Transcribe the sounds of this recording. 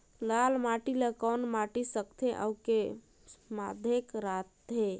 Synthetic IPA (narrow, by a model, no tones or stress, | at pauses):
lalmaʈiləkɔnmaʈisəkt̪ʰeʔə̰wke | mad̪ʱekɾat̪̚ːe